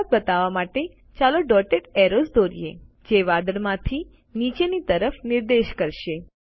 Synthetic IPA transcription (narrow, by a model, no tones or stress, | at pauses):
t̪̚bət̪aʋamaʈe | t͡ʃaloɖɔʈeʈeɾozd̪oɾḭḛ | d͡ʒeʋad̪əɽmãt̪ʰi | nit͡ʃenit̪əɾəfnɪɾd̪eʃkəɾʃe